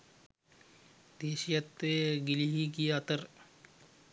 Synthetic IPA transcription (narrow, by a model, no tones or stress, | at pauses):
d̪eːʃijɐt̪ːeːɡiliɦiɡijaɐt̪əɾ